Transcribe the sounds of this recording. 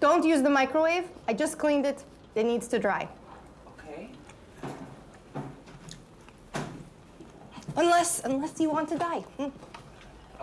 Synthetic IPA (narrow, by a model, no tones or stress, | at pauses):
d̥õʊ̃ntjʉzðəmaɪkɹoweɪvaɪd͡ʒʌskʰl̥ĩndɨt | ɨnidz̥tʰɨdɹaɪ | okʰe | ə̃nlɛsə̃nlɛsjɨwɑ̃ntʰɨdaɪm̩